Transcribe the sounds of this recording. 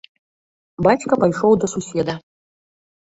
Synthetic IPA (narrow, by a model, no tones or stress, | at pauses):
bat͡ʃkɐpajʂɔwd̪ɐsusʲɛd̪ɐ